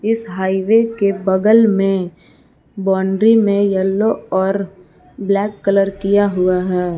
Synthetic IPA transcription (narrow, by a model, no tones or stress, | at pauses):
ɪsɦaːiʋekebɐɡəlmẽ | bɔːɳɖɾimẽjəlːoɔːɾ | blɛːkːələɾkijaɦʊaɦɛː